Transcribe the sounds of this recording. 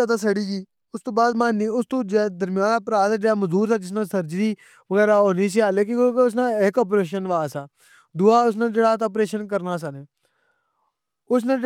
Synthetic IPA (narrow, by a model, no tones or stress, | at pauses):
at̪aːsəɽiːɡiː | ʊst̪õːbaːd̪maːniːʊst̪õːd͡ʒed̪əɾmɪjãːnəpɾaːd̪əd͡ʒeaːməzuːɾsaːd͡ʒɪs̬nãːsəɾd͡ʒɾiː | ʋəɣɛːɾaːɦoːniːs̬iːaːleːk̬ɪ̃kʊsnãːɪkɔːp̬ɾeːʃənʋaːsaː | d̪ʊːaːʊs̬nãːd͡ʒeːɽaːt̪əːp̬ɾeːʃənk̬əɾnaːs̬aneː | ʊs̬nãː